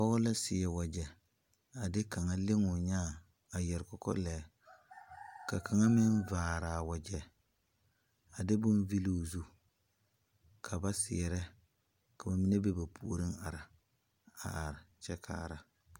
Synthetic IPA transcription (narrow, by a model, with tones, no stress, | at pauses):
pɔ˦ɔ˦la˦sɪ˨ɛ˨wa˨d͡ʒɛ˨ | a˨dɪ˦ka˨ŋa˦le˦ŋʊ˨ɲaː˦˨ | a˨jɛ˨ɾkɔ˨kɔ̰˦lɛː˨˦ | ka˨ka˨ŋa˦mɪ˦nvaː˨ɾa˨wa˨d͡ʒɛ˨ | a˨dɪ˦bʊ˦nvi˦lo˦˨zu˦ | kʰa˨ba˦sɪ̰˨ɛ˨ɾɛ˦ | ka˨ba˨mi˦ne˦be˦ba˨pʰṵ˨o˨ɾɪ˦ŋa˨ɾɪ˨ | a̰˨a˨ɾɪ˨t͡ʃɛ˦kʰa̰ː˦˨ɾa˨